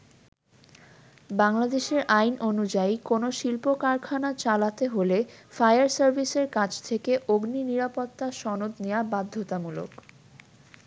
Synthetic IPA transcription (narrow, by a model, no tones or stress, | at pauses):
baŋlad̪eʃeɾʔajnʔonud͡ʑaijkonoʃilpokaɾkʰanat͡ɕalat̪eɦolefajaɾsaɾbʱiseɾkat͡ɕʰt̪ʰekeʔoɡniniɾapot̪ːaʃɔnod̪nejabad̪ʱːot̪amulo̰k